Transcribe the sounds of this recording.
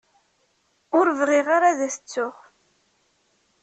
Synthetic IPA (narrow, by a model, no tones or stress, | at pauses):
ʊɾvrˤiʁaɾaðæθə̥t͡sːʊʁ